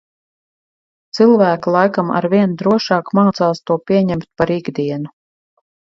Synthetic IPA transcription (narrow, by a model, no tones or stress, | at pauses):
t̪sɨlˠvæːkulˠajkama̰ɾviɛnd̪ɾuɔʃɑːkmaːt̪saːst̪uɔpʲiɛɲɛmt̪̚paɾiɡd̪iɛnu